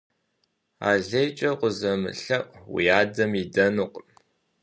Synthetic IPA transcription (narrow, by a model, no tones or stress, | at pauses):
a̰ːɮɐjt͡ʃʼɐqʷʊzɐmɨ̰ɬɐʔwḭjaːdɐmidɐnuq